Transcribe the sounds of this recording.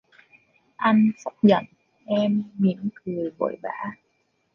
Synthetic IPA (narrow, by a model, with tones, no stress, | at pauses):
ʔa˧jnsʊ˦˥k͡p̚zə̰˧˨n | ʔɛ˧mmḭ˧˨˥ənkɨ˨˩əjɓo̰˧˨jɓaː˧˥˦